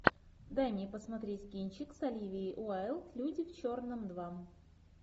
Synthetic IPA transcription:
d̪ajmʲnʲepəsmɐt̪ɾʲetʲkʲinʲt͡ɕɪksɐlʲivʲɪːʔʊaɛlˠt̪lʲudʲɪft͡ɕornɨmd̪vam

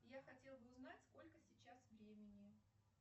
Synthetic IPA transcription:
jaxɐtʲe̞lˠbɨʊznatʲsko̞lʲkəsʲɪt͡ɕasvɾʲemʲɪnʲɪ

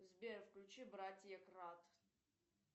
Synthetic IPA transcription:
zbʲeɾfklʲut͡ʃibɾatʲjɛkrat̪

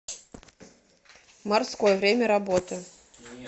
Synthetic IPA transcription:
marskɔjɛvɾʲemʲɛɾabɔt̪ɨ

